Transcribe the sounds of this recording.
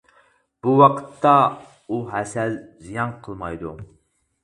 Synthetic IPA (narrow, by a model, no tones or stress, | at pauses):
b̥uwɑqʰə̥t̪ʰːɑ | uɦɛsɛlzijɑnqʰəlˠmɑjd̪u